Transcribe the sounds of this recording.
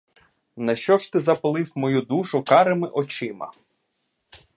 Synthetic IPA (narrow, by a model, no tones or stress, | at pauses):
nɐʃt͡ʃɔʃt̪ɪzɐplˠɪwmɔjud̪uʃʊkɑɾemɪʔɔt͡ʃɪmɐ̰